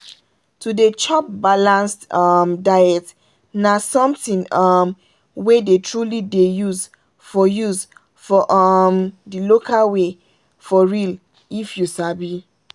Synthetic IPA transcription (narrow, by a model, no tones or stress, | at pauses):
tudet͡ʃɔp̚balãnstʌmdajɛt | nasɔ̃mtĩnɔm | wedetʰɹulidejuz | fɔjuz | fɔʔɔmdilokʰalwe | fɔɹil | ifjusabi